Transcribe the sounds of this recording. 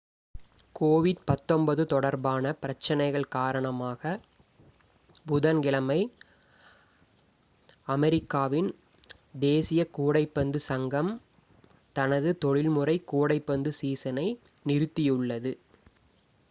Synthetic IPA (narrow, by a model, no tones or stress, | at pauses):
koːʋɪɖpɐt̪ːɔmbɐðɯt̪ɔɽɐɾbaːnɐpɪɾɐt͡ʃːɐnɐɪɣɐɭkaːɾɐɳɐmaːɣɐ | bʊðɐnɡɪɭɐmɐɪ | ɐmɛɾɪkːaːʋɪn | d̪eːsɪjɐkuːɽɐɪpːɐnd̪ɯsɐŋɡɐm | t̪ɐnɐðɯt̪ɔɭɪlmɯrɐɪkːuːɽɐɪpːɐnd̪ɯsiːsɐnɐɪ | nɪɾɯt̪ːɪjɯɭːɐðɯ